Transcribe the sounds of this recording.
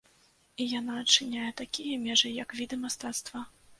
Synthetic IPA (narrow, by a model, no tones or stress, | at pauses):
ijanaɐt͡ʂɨnʲajɛt̪akʲijɐmʲɛʐɨjɐkvʲid̪ɨmast̪at̪st̪vɐ